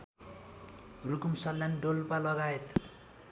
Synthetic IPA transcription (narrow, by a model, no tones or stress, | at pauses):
rukumsʌlːjanɖolpalʌɡaet̪